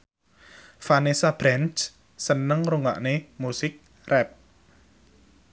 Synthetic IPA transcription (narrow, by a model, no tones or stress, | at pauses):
fanesab̥ɾɛnt͡ʃ | sənəŋruŋa̰ʔnemusɪk̚ | rʔɛp̚